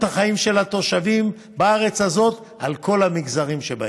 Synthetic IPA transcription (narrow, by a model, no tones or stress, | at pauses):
thaχaimʃe̞lat̪o̞ʃavim | baaʁet͡shazo̞t̪ | alkʰo̞lhamiɡzaʁimʃeba̰